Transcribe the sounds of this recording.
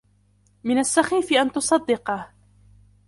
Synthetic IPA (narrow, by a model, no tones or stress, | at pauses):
mɪnasːaxiːfɪʔant̪ʊsˤɑd̪ːɪqɑ